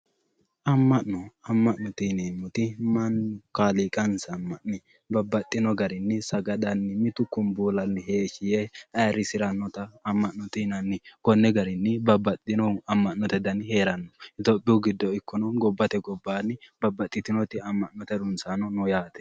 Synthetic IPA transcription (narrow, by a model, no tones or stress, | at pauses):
ʔɐmːɐʔnɔɐmːɐʔnːɔt̪ineːmːʊt̪ɪmɐnkaːliːkʼɐnsɐmːɐʔnɪ | bɐbːɐt̪ʼːɪnɔɡɐɾɪnːɪsɐɡɐd̪ɐnːɪmɪt̪ʊkːʊmbuːlɐnːɪɦeːʃɪjɛɐjɐɾɪsɪɾɐnːɔt̪ɐːmːɐʔnːɔt̪inɐnːɪkɔnːɛɡɐɾɪnːɪbɐbːɐt̪ʼːɪnɔɐmːɐʔnɔt̪ɛd̪ɐnheːɾɐnːɔɪt̪oːpʼːɪʊɡɪd̪ːɔɪkːɔnɔɡɔbːɐt̪ɛɡɔbːanːɪbɐbːɐt̪ʼːɪt̪ɪnɔt̪ɪɐmːɐʔnːɔt̪ɛd̪ʊnsanɔnɔjaːt̪ɛ̥